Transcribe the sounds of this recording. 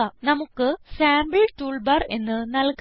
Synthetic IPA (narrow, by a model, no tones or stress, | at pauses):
ɐnɐmukːɨsaːmbɨɭʈuːɭbɐre̞̰nːɨnɐlk